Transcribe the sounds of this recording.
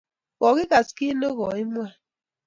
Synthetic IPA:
ɔ˨ɣɪ˦ɣa˨ski˦no˦ɣɔ˨i˦mwa˦

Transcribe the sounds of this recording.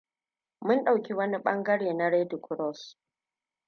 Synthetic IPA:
mʊ˦nɗa˨wkʲi˦wɐ˦ni˦ɓɐ˦ŋɡɐ˦ɽeː˨na˦ɾe˦di˨kʊ˨˦ɾɔ˦˨s

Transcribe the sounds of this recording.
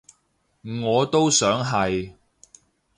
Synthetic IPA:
ŋɔː˨˧t̪o˥wsœː˨˥ŋɦɐ˨j

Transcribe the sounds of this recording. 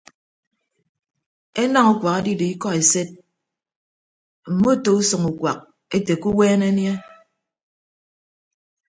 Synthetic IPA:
e˦na˦ŋu˦kʷa˨ka˦di˦˨de˨i˦kɔ˦e˨se˦t̚ | m̩˨mo˦˨to˨u˦sɔ˨ŋu˨kwa̰˨k̚ | e˦te˨ku˦wɛː˦ne˦nje˦

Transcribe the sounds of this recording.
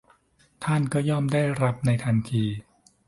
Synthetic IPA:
t̪ʰa˥˩nkɔː˥˩jɔː˥˩mdaː˥˩jɾa˦˥p̚na˧jt̪ʰa˧nt̪ʰiː˧

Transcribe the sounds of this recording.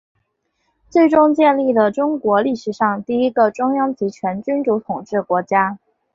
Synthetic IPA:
t͡swe˥˩ɪʈ͡ʂʊ˥ŋt͡ɕjɛ˥˧nli˥˩lə˩ʈ͡ʂʊ˥ŋkwɔ˧˥li˥˩ʂɻ̩˧˩ʂɑ˥˧ŋt̪i˥˩i˥ɡə˧˨ʈ͡ʂʊ˥ŋjɑ˥ŋt͡ɕi˧˥t͡ɕʰɥɛ˧˥nt͡ɕy˥nʈ͡ʂu˧˥t̪ʰʊ˨˩ŋʈ͡ʂɻ̩˥˩kwɔ˧˥t͡ɕja˥

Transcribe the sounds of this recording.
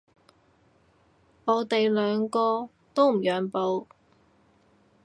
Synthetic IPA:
ɔː˨˧t̪e˨jlœː˨˧ŋkɔː˧ | t̪o˥wm̩˨˩jœː˨˧ŋpo˨˧w

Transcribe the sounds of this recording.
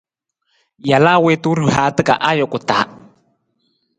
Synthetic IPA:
ja˨la˦we˦t̪u˦ɾɨha˨t̪ɨ˦kʼa̰˨ʔa˦jo˨kʼu˨t̪a˨

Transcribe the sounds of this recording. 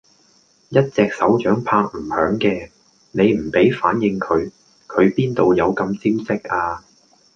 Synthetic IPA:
jɐ˥t̚t͡sɛː˨k̚sɐ˨˥wt͡ʃœː˨˥ŋpʰaː˧k̚m̩˨˩hœː˨˥ŋkɛː˧ | ne˨˧jm̩˨˩pe˨˥jfaː˨˥njɪ˨˧ŋkʰɵ˨˧ɥ | kʰɵ˨˧ɥpiː˥nt̪o˨wjɐ˨˧wkɐ˧mt͡siː˥wsɪ˥k̚ʔaː˧

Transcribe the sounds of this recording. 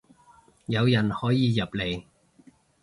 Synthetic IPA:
jɐ˨˧wjɐ˨˩nhɔː˨˥jiː˨˧jɐ˨˩p̚le˨˧j

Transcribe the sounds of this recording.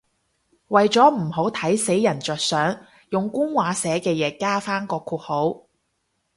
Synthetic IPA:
wɐ˨jt͡sɔː˨˥m̩˨˩ɦo˨˥wt̪ʰɐ˨˥jse˨˥jːɐ˨˩nt͡ʃœː˨t̚sœː˨˥ŋ | jʊ˨ŋkʊ˥ŋwaː˨˥sɛː˨˥kɛː˧jɛː˨˧˥kaː˥faː˥nkɔː˧kʰuː˧˩t̚ho˨˥w

